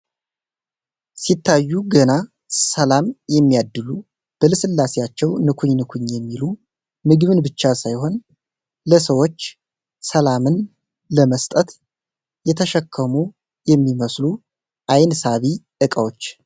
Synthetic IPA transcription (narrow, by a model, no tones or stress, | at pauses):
sit̪ʰːajːuɡəna | səlamjɛmːijad̪ːɨlu | b̥əlɨsɨlːasejat͡ʃːɛwnɨkʰuɲnɨkʰuɲjɛmːilu | mɨɡβɨnbɨt͡ʃːasajho̞n | ləsəwo̞t͡ʃː | səlamɨn | ləməst̪ʼət̪ | jɛt̪ʰəʃəkʰːəmu | jɛmːiməslu | ʔajnsaβiʔɨkʼəwo̞t͡ʃː